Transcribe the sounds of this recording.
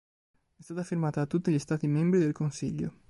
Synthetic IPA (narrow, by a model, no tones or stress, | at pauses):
ɛst̪aːt̪afirmaːt̪aat̪ːut̪ːiʎist̪aːt̪imembɾid̪elkonsiʎːo̰